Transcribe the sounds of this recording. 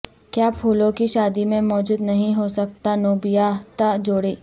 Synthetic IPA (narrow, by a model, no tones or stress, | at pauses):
kjaːpʰuːlõkiʃaːd̪imẽmɔːd͡ʒuːd̪nɐɦĩɦosɐk̚t̪anoːbijat̪ad͡ʒoːɽeː